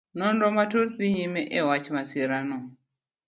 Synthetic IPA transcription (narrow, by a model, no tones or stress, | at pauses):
nɔnɾɔmatuɾt̪iɲimɛʔɛwat͡ʃmasiɾanɔ